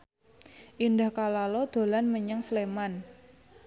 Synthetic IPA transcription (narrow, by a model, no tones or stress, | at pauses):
ʔindahkalalɔd̪̥o̤lanməɲəŋsleman